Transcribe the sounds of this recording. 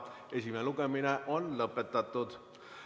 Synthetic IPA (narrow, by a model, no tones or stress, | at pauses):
esʲimeluɡ̥emineʔo̞nlɤpːˑet̪ːɑt̪ːˑud̪̥